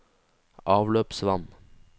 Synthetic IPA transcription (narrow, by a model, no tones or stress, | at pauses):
ʔɑːʋløːpsʋɑn